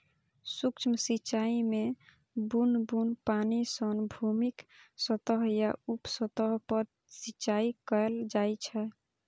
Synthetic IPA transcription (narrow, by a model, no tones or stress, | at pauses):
sukt͡ʃʰməsit͡ʃaime | bunbunpanisənbʱumiksət̪əɦjaupsət̪əɦpəɾ | sit͡ʃaikəeld͡ʒajt͡ʃʰɛ